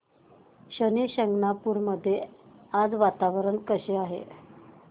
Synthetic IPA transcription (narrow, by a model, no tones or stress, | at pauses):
ɕəneɕəŋɡnapuɾməd̪ʱːjead͡zʋat̪aʋəɾəɳkəɕeaɦḛ